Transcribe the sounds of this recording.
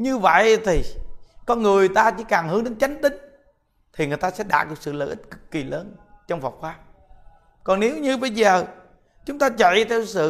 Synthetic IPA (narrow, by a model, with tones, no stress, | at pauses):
ɲɨ˧və̰˧˨jt̪ʰi˨˩kɔ˧nŋɨ˨˩əjt̪aː˧t͡ɕḭ˧˥kaː˨˩ŋhɨ˨˦ɗe˨˦nt͡ɕa˨˦jŋ̟t̪ï˨˦ŋ̟ | t̪ʰi˨˩ŋɨ˨˩əjt̪aː˧sɛ̰˧˥ɗa̰ː˧˩kɨ˨˩k̚sɨ̰˧˨ləː˧˨ʔi˦˥t̚kɨ̥˨˩kːi˨˩ləː˧nt͡ɕɔ˧wŋ͡mva˨˩wk͡p̚xaː˨˦ | kɔ˨˩nne˨˦wɲɨ˧ɓə˧jzəː˨˩ | t͡ɕʊ˨˦ŋ͡mt̪aː˧t͡ɕə̰˧˨jt̪ʰɛ˧wsɨ̰˧˨